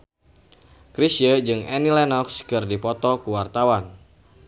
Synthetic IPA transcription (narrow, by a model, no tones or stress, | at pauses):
kɾisjəd͡ʒɨŋʔɛnilɛnɔkskɨrdipɔt̪ɔkuwart̪awan